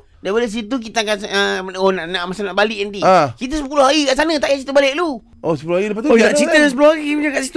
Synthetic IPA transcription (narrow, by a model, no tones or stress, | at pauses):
daboləs̬it̪̬uk̬it̪aakansəonaʔnaʔmasanaʔbalɪʔant̪iakit̪̬əsəp̬uloɦaɡikaʔsanə̃t̪aʔjaʔt͡ʃit̪əbaleʔ̚lu | osəpuloaɡiləp̬at̪aʔt͡ʃit̪əlasəpulohaɡimat͡ʃaŋkaʔsit̪u